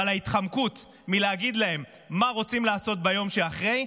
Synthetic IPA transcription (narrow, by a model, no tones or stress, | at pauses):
alaitχamkut | mileaɡid̪lae̞mː | aʁo̞t͡simlaːso̞t̪̚bajo̞mʃeaχʁe̞j